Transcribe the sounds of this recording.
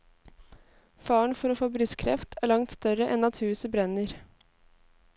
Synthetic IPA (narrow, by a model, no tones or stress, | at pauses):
fɑːəɳfɔɾoːfoːbɾʏskʰɾɛ̰ft̪ʰæɭɑŋt̪st̪œɾəʔɛnɑt̪hʉːsəbɾɛnəɾ